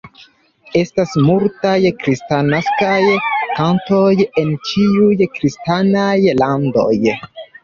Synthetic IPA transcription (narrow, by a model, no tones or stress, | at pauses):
e̞stasmultajkɾistanaskajkanto̞je̞nt͡ʃiujkɾistanajlando̞̰j